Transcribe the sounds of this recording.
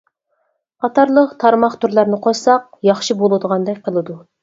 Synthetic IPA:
qʰɑt̪ɑɾlˠəqt̪ʰɑɾmɑχt̪ʰuɾlˠɑɾnɨqʰosɑq̚ | jɑχʃibolˠɨd̪əʁɑnd̪ɑkʲqʰəlˠɨd̪u

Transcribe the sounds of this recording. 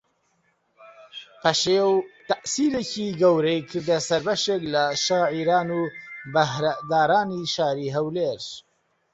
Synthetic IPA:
pʰɐʃewt̪ɐʔsiːɾeːciɡɐwɾejkʰɨɾd̪ɐsɐɾbɐʃeklɐʃaːʕiɾaːnuːbɐɦɾad̪aːɾaːniːʃaːɾiːɦɐwleːɾ

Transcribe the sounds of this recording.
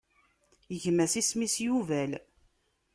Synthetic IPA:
əʝmæsismisjuvæl

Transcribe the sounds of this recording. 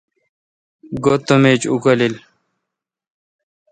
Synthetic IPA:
ɡot̪ːomeːt͡ɕukʌlil

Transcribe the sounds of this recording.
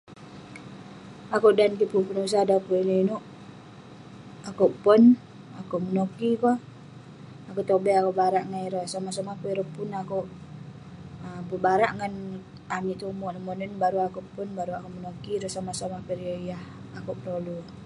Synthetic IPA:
akuʔdankipupənus̬adakuinəinuʔ | akuʔpɔn | akuʔmənokiko | akut̪obɛakuʔbaɾaʔŋaiɾəsomasomahpeiɾəpunakuʔ | bubaɾaʔŋən | amiʔt̪umɔʔnəmɔnənbaɾuakuʔpunbaɾuakuʔmənokiɾəsomasomapəɾoijah | akuʔpəɾolu

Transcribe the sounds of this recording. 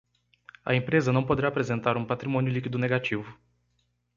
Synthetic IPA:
ɐ̰ẽpɾezɐnɐ̃w̃pod̪eɾaːpɾezẽnt̪aɾũpat̪ɾimõnjʊlikid̪ʊneɡat͡ʃivʊ

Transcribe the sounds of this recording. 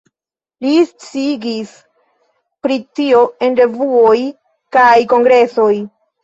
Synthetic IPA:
list͡siɡis | pɾitio̞e̞nɾe̞vuo̞j | kajko̞ŋɡɾe̞so̞j

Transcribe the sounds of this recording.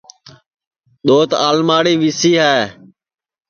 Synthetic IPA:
ɗ̪oːt̪aːlmaːɽiːʋisiːɦɛː

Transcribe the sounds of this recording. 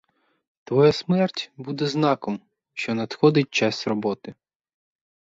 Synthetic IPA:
t̪ʋɔjasmɛrtʲbud̪ɛznɑkɔm | ʃt͡ʃɔnɐd̪xɔd̪ɪt̚ʲt͡ʃɑsʲrɔbɔt̪ɪ

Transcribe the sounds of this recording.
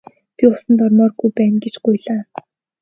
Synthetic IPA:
pʲiʊsə̆nt̪ɔrmɔːrɡujpæːnɡet͡ɕɢʊjɮaː

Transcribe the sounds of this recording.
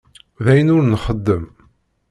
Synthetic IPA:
ðæjənʊɾnχəd̪ːəm

